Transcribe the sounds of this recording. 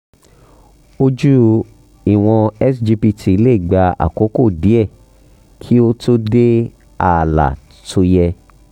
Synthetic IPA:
o˧d͡ʒu˦ | i˦˨w̃ɔ̃˧ɛ˦sd͡ʒi˧pi˧tʰi˧i˧le˦i˦˨ɡ͡ba˧a̰˨ko˨˦ko˦˨di˨˦ɛ˦˨ | kʰi˦o˦tʰo˦de˦ | a˨la̰˨ | tʰo˧jɛ˧

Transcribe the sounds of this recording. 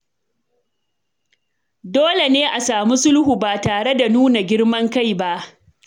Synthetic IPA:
doː˦le˨neː˦ʔa˨saː˨mi˦sʊ˦lhu˨baː˨taː˨ɽe˦da˨nuː˦na˨ɡʲɪ˦ɽmɐ˦ŋka˦˨jba˦ʔ

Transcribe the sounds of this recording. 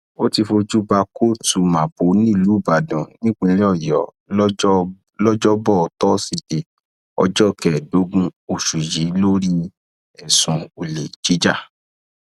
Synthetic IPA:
o˦ti˧fo˧d͡ʒu˦ba˧ko˦tu˧ma˨po˨˦nĩ˦˨luː˨˦˨ba˨dɔ̃˨nĩ˦k͡pũ˧le˦ɔ˦˨jɔ˨˦ | lɔ˦d͡ʒɔ˦bɔ˦˨tɔ˦si˦˧˨de˨ | ɔ̰˧d͡ʒɔ˦˨kɛ˨do˨˦ɡũ˦o˨ʃu˨ji˨˦lo˦ɾi˦ | ɛ˨sũ˨˧o˧˨le˨d͡ʒi˨˦d͡ʒa˦˨

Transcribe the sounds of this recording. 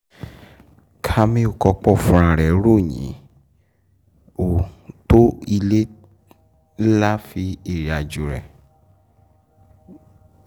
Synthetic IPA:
kʰa˧mĩ˦o˦˨kɔ˧k͡pɔ˦˨fũ˧ɾ̃ã˧˨ɾɛ˨˦ɾo˦˨ɲḭ̃˨˦ | o˨to˦i˧le˦ | la˦fi˧˦e˦˨ɾi˨a˨d͡ʒu˨ɾɛ̰˨

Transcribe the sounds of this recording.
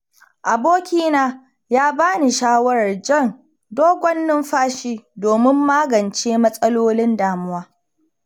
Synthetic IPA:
ʔa˨boː˦kʲiː˦naː˦ | jaː˦baː˦ni˨ʃaː˦wɐ˦ɾɐ˨rd͡ʒɐ˦˨n | doː˦ɡʷɔ˦nːɪ˦mɸaː˦ʃiː˦doː˨mɪ˦mːaː˦ɡɐ˨nt͡ʃeː˦mɐ˦sʼɐ˦loː˦lɪ˦ndaː˨mʊ˦waː˦

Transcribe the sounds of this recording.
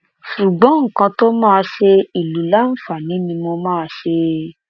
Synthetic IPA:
ʃu˨ɡ͡bɔ̃˨˦ŋ̩˨kã˧to˦mãː˦˧ʃe˧i˨lu˨˦la˦n̩˦fa˨nĩ˨˦nĩ˧mo˧mãː˦˧ʃe˧

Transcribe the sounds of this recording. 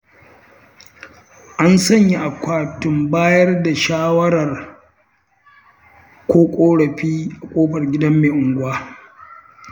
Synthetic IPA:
ʔa˦nsɐ˦˨ɲji˦ʔa˨kʷaː˦˨tʊ˨mbaː˦jɐ˦rda˨ʃaː˦wɐ˦ɽɐ˨r | kʷoː˦kʷʼoː˦ɽɐ˨ɸiː˦ʔa˨kʷʼoː˦ɸɐ˨rɡʲɪ˦dɐ˦mːeː˨ʔʊ˨ŋɡʷʊ˦waː˦

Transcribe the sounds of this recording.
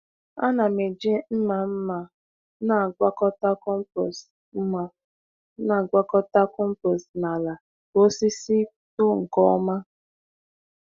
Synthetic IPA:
a˦na˨me˨d͡ʒi˦m̩˦ma˨m̩˦ma˨ | na˨ɡʷa˦kɔ˦ta˦kɔ˦m̩˦pɾɔ˨s | m̩˦ma˨ | na˨ɡʷa˦kɔ˦ta˦kɔ˦m̩˦pɾɔ˨sna˨la˨ | o˦si˦si˦ | tʊ˦ŋ̩˨kɔ˦ɔ˦ma˦

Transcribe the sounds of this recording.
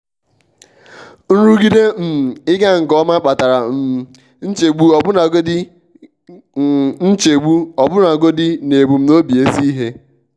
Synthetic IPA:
n̩˦ɾu˦ɡi˦de˦m̩˨ɪ˦ɡa˦ŋ̩˨kɔ˦ma˦k͡pa˨ta˨ɾa˨m̩˨ | n̩˦t͡ʃe˨ɡ͡bu˦ɔ˨bʊ˦na˨ɡo˦di˦ | n̩˦t͡ʃe˨ɡ͡bu˦ɔ˨bʊ˦na˨ɡo˦dɪ˦ne˨bu˨m̩˦no˦bi˨e˦si˦i˦ɦe˦

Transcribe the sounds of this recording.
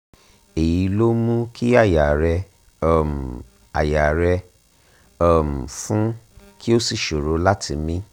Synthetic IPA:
e˨ji˨˧lo˦mũ˦ki˦a˦˨ja˨ɾɛ˧ | ɔ˦˧˨m̩˨ | a˨ja˨ɾɛ˧ | ɔ˧m̩˨fũ˦ | kʰi˦o˦si˨ʃo˨ɾo˨˦la˦tʰi˧mĩ˦

